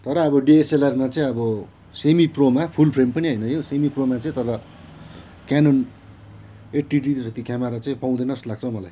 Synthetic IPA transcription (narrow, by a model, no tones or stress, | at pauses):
t̪ʌɾʌːβʌɖieselʌrmat͡sʌĩʌbʌ | semipromapʰulpʰrempʌniɦʌjnʌjosemipromat͡sʌĩt̪ʌɾʌ | kanon | eʈiɖit̪sʌt̪ikamaɾat͡saĩpaw̃d̪enʌslaɡ̚t͡sʰʌwmʌlaj